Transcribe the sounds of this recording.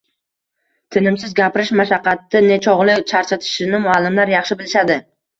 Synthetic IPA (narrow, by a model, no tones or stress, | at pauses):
t̪ʰɪnɪmsɪzɡʲapɪɾɪʃmaʃɑqːɑt̪ːɪne̞t͡ʃʰɒʁlˠɪt͡ʃʰaɾt͡ʃʰat̪ʰɪ̥ʃɪnɪmʊalːɪmlaɾjɑχʃɪbɪlɪʃad̪ɪ